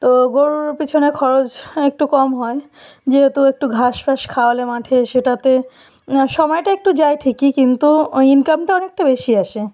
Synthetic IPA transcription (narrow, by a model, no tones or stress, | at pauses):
t̪oɡoɾuɾpit͡ɕʰonekʰɔɾot͡ɕek̚ʈukɔmɦɔe | d͡ʑeɦet̪uek̚ʈuɡʱaʃfaʃkʰaolemaʈʰeʃeʈat̪e | ʃɔmɔjʈaek̚ʈud͡ʑaeʈʰikikint̪uinkamʈaɔnek̚ʈabeʃiaʃe